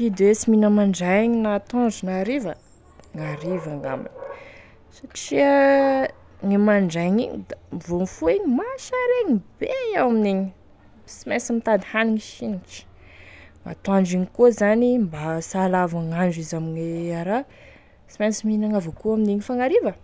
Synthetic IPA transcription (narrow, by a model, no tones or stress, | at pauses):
id̪ewesiminəmaɳɖ͡ʐajɲinat̪and͡ʒunaɾivə | ŋaɾivaŋa̰ma̰n | saʈ͡ʂiə | ŋimaɳɖ͡ʐajɲiɲid̪amivonfueɲimaʃaɾeɲib̥eawaminiɲi | simasimit̪ad̪ihaniŋiʃiniʈ͡ʂi̥ | ŋa̰t̪aɳɖ͡ʐiɲikozanimbasalavaŋaɳɖ͡ʐizamiɲeaɾa | simasiminaŋavokuaminiɲifaŋaɾivə